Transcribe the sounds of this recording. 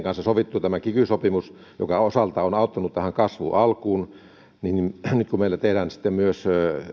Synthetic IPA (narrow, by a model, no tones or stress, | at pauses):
ŋkɑnsɑsoʋit̪ːut̪æmækikysopimus | jo̰kɑosɑlt̪ɑːonɑˑut̪ːɑnut̪t̪æhæŋkɑsʋṵʔɑlkuːn | ninnyt̪kumeilːæt̪ehdæːnsi̥t̪ːemmyøs